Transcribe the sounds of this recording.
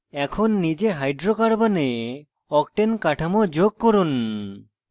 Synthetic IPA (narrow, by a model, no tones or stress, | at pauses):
ɛkʰonːid͡ʒeɦajɖɾokaɽbane | ɔk̚ʈenkaʈʰamod͡ʒoɡ̚koɾun